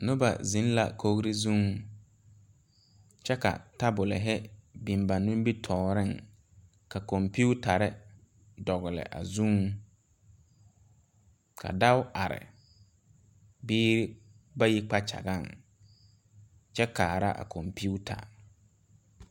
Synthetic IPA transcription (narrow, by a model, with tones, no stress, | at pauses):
nʊ˦ba̰˨zĩ˨˦n˦la̰˨kʰo˦ɣɾi˦zũ˦ŋ | t͡ʃɛ˦ka̰˨ta˦bʊ˨lɪ̰˨ɦɛ˦bi˨m˨ba˨nũ˦m˦bi˦tʰɔː˨ɾɪ˦˨ŋ | ka˨kɔ˨mpu˦ta˨ɾɪ˦ | dɔ˨ɣɪ˨lɪ̰˨ʔa̰˨zũ˦ŋ | kʰa̰˨da˦wa˨ɾɪ̰˨ | biː˦ɾ | ba˦ji˦k͡pa˦t͡ʃa̰˨ɡa˦˨ŋ | t͡ʃɛ˦kaː˨ɾa̰˦ʔa̰˨kʰɔ˨mpi˦u˦tʰa̰˨